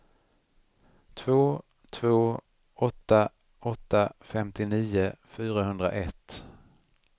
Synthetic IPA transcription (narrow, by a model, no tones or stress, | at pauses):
t̪ʰvoː | t̪ʰvoː | ɔt̪ːa | ɔt̪ːafɛmt̪ɪniːʊfyːɾahɵnd̪ɾa̰ʔɛt̪ː